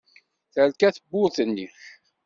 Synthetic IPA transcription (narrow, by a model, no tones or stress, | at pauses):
θəɾkæθəbːʊθənːi